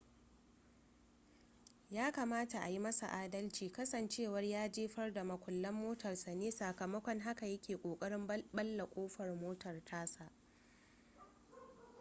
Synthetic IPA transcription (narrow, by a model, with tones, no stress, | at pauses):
jaː˦kɐ˨maː˦ta˨ʔa˨ji˦mɐ˦sa̰˨ʔaː˦dɐ˦lt͡ʃiː˨kɐ˦sɐ˨nt͡ʃeː˦˨wɐ˦rjaː˦d͡ʒeː˦ɸɐ˦rda˨mɐ˨kʷʼʊ˨lːɐ˦mːoː˦tɐ˨rsɐ˨neː˦sa˨kɐ˨mɐ˦kʷɔ˦ŋɦa˦ka˨jɐ˦kʲeː˨kʷʼoː˨kʼɐ˦ɽɪ˦mbɐ˦lːa˨kʷʼoː˦ɸɐ˨rmoː˦tɐ˨rtʰaː˦sa˨ʔ